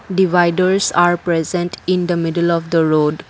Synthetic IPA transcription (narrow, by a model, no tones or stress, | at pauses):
ɖiʋaɪɖəɾsaːɾpɾezə̃ɳʈɪ̃nd̪əmɪɖəlɔʋd̪əɾoːɖ